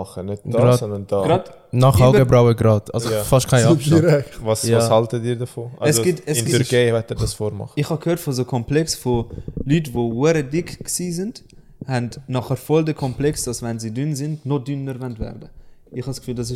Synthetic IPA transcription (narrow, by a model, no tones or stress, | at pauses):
χənɪt̚d̥ɡɑːɔndənd̥ɑɡɾɑːd | nɑχaʊɡəbɾaʊəɡɾɑːtɑ̰lzofɑʃtkʰaɪɑiɾɛkvɑsɑshɑltədiːɾdəfoːɛsɡɪtɛsɪnɡɾɡeɪvɛtədɑsfoːɾmɑ̰χɪχhɑkʰhøːtfɔzokʰɔmplɛksfolyːtvoːəɾədɪkksiːzɪnt | hɛntnɔχəɾfɔldəkʰɔmplɛksd̥ɑsvɛnzidynzɪntnɔdynəɾvɛntvɛ̰ɾdəɪχhɑskfyːldɑs̬ɪ